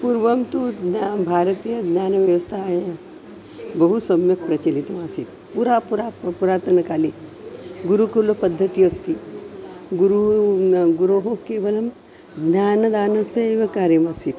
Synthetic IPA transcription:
puɾʋɐmt̪ud̪abʱaːɾɐt̪iːjɐd̪nʲaːnɐʋjɐʋɐst̪ʰajɐ | bɐɦusɐmjɐk̚pɾɐt͡ʃɐlit̪ɐmaːsit̪ | puɾapuɾaːpuɾaːt̪ɐɾnɐkaːli | ɡuɾukɐlopɐd̪ʱːɐt̪ijɐst̪i | ɡuɾu | ɡuɾoːɦokeːʋɐlɐm | d̪nʲaːnɐd̪aːnɐseːʋɐkaːɾjɐmaːsit̪

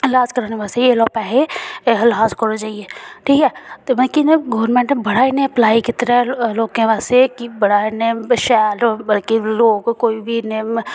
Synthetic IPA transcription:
laːzkəɾaːneʋaːsejelɔːpɛːɦeɦɐlɦaːzkəɾod͡ʒaːieʈʰiːkɛːt̪mɐkinẽɡɔʋəɾmẽɳʈebɐɽ̤aːinẽɐplaːikit̪ɐɾɛloːkẽʋaːsekibɐɽaːineʃaːlbɐlkiloːɡkoːibʱine

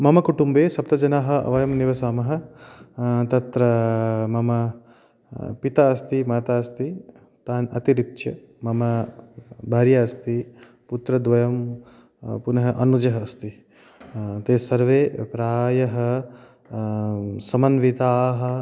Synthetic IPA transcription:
mɐmɐkuʈumbeːsɐp̚t̪ɐd͡ʒɐnaːɦɐɐ̰ʋɐjɐmniʋɐsaːmɐɦɐ̆ | t̪ɐt̪ɾɐmɐmɐ | pit̪aːɐst̪imaːt̪aːɐst̪i | t̪aːnɐ̰t̪iɾit̪ʃjɐ | mɐmɐ | bʱaːɾjaɐst̪i | put̪ɾɐd̪ʋɐjɐm | punɐɦɐʔɐnud͡ʒɐɦɐːst̪i | t̪eːsɐɾʋeːpɾaːjɐɦɐ | sɐmɐnʋit̪aːɦɐ

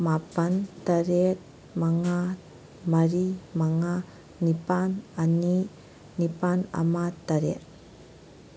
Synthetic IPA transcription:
mapantaɾet̚ | maŋa | maɾimaŋa | nipanani | nipana̰mat̪aɾet

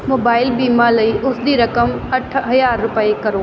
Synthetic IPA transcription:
moːbaːɪlbiːmalɐiʔʊsd̪iːɾɐkəmɐʈʰɦɐjaːɾːʊpəekɐɾoː

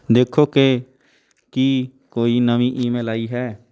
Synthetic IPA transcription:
d̪eːkʰoke | kiː | koːinəʋĩʔiːmeːlaːiɦɛː

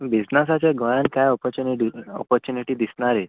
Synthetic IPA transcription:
bid͡znəsat͡ɕaɡɔɭankajɔpɔɾt͡ɕuniiɔ̰pɔɾt͡ɕuniʈiːd̪isɳaɾe

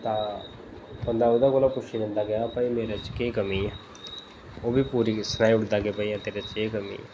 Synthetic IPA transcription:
t̪ãː | bənd̪aːʊd̪akoːlakʊʃiːbẽnd̪aːɡəjaːpəĩmeːɾat͡ʃkeːkəmiː | oːbʱiːpuːɾiːsənaːĩʊʈd̪aːɡəapəiãːt̪eːɾat͡ʃeːkəmḭː

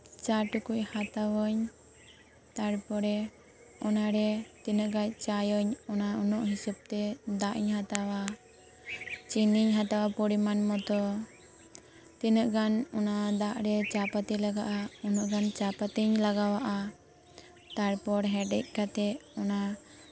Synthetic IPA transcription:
t͡ʃaʈukuc̚hat̪awəɲ | t̪aɽpɔɾɛ | ɔnaɾɛt̪inəʔɡac̚ˀt͡ʃajɔɲɔnaɔnɔʔɦisub̚t̪ɛd̪aʔiɲhat̪awa | t͡ʃiniɲɦat̪awapɔɽimanmɔt̪ɔ | t̪inəʔɡanɔnad̪aʔɾɛt͡ʃapat̪ilaɡaʔaɔnɔʔɡant͡ʃapat̪iɲlaɡawaʔa | t̪aɽpɔɽɦɛɖɛc̚kat̪ɛɔna

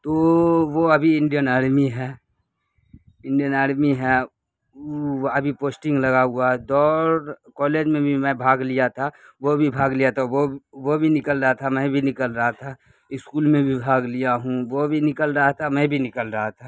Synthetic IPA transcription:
t̪oʋoɐbʱiɪ̃ɳɖijənaːɽmiɦɛː | ɪ̃ɳɖijənaːɽmiɦɛ | ɐbʱipoːsʈɪ̃ŋɡlɐɡaɦʊaɦɛd̪ɔːɾkɔːleːd͡ʒmẽbʱimɛ̃bʱaːɡlijat̪ʰa | ʋobʱibʱaːɡlijat̪ʰaʋoʋobʱinɪkəlɾɐɦat̪ʰamɛ̃bʱinɪkəlɾəɦat̪ʰa | ɪskuːlmẽbʱibʱaːɡlijaɦũʋobʱinɪkəlɾəɦat̪ʰamɛ̃bʱinɪkəlɾɐɦat̪ʰa

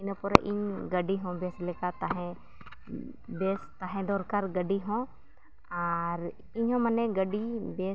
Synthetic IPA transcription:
ɪnəpɔɾ̰ʔḭɲɡəɖiɦɔ̃beslɛkat̪aɦɛ̃ | bɛst̪aɦɛ̃d̪ɔɾkaɾɡəɖiɦɔ̃ | aɾ | ɪɲɦɔ̃mɐnɛɡəɖibe

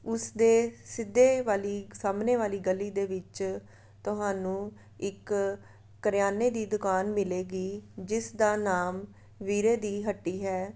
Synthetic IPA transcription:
ʊsd̪eːsɪd̪ːeːʋaːliːsaːmneːʋaːliːɡəlːiːd̪eːʋɪt͡ʃ | t̪ʊɦaːnũː | ɪkː | əɾjaːneːd̪iːd̪ʊkaːnmɪleːɡiːd͡ʒɪsd̪aːnaːm | ʋiːɾeːd̪iːɦəʈːiːɦɛː

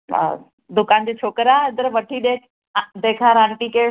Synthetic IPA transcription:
d̪ʊkand͡ʑiːt͡ɕʰoːkɾaɪd̪əɾʋɐʈʰiɗ̪eːkʰ | d̪eːkʰaɾãɳʈikeː

